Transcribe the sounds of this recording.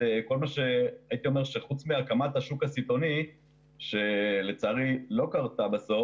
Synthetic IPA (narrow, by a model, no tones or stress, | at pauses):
eko̞lmaʃe̞ait̪io̞me̞ʁʃeχut͡smiakamat̪aʃukasit̪o̞ni | ʃelet͡saʁilo̞kaʁtabaso̞